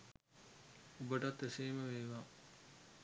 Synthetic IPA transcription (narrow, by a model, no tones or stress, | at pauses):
ubəʈɐt̪ːeseːməʋeːʋaː